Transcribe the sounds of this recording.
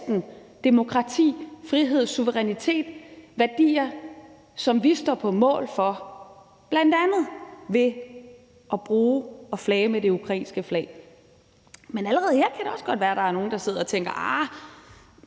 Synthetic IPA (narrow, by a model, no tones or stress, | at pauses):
d̥n̩d̥e̝mo̝kʰʁɑ̈t͡sʰḭːfʁiɦe̝ð̞̰ˠsuʋəʁɛnit͡sʰe̝̰ːd̥ʋæɐd̥ḭːɐ | sɒ̽mʋisd̥ɒ̰pʰɒ̽mɔ̰̽ːlfɒ̽ | b̥læn̰d̥ænð̩ˠʋe̝ | ʔɒb̥ʁuːɒ̽flɛːmed̥e̝ukʰʁɑḭːnsɡ̥əflɛ̰ɪ | menæləʁɛːð̞̩ˠhe̝ɐ̰kʰæɾ̥e̝ɒ̽sɡ̥ɒ̽d̥ʋæːɐɾ̥ɑ̈æɐno̝ːn̩d̥ɑ̈se̝ð̞̰ˠɐɒ̽t͡sʰeŋ̰ɡ̥ɐʔɑ